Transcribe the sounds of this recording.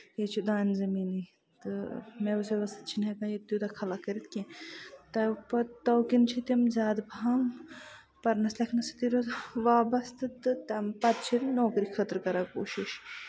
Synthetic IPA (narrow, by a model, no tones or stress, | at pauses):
jet͡ʃʰud̪aːnzɐmiːni | t̪ɨmeʋuseʋɐsɨt̪̚t͡ʃʰinɦekãːjet̪ːjud̪ɐkʰɐlakɐɾit̪kẽt̪ɐpɐt̪ɐwkint͡ʃʰit̪imzʲaːd̪bʱaːŋ | pɐɾnɐslɐkʰnɐsɨ̥t̪iɾoʋaːbɐst̪ɨt̪ɨt̪ɐmpɐt̪̚t͡ʃʰinoːkɾikʰət̪ɾkɐɾakoːʃiʃ